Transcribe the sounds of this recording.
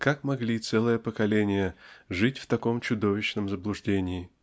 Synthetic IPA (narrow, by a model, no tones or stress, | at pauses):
kakmɐɡlʲit̪sɛlˠɨjəpəkɐlʲenʲɪjəʐɨtʲft̪ɐko̞mt͡ɕʊd̪o̞vʲɪɕnəmzəblˠʊʐdʲenʲɪː